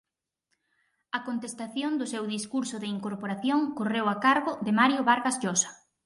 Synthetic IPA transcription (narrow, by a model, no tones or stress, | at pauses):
ɐkont̪est̪aθjond̪ʊsewðiskuɾsʊðɪiŋkoɾpoɾaθjoŋkorewakaɾɣʊdɪmaɾjʊβaɾɣazʎosḁ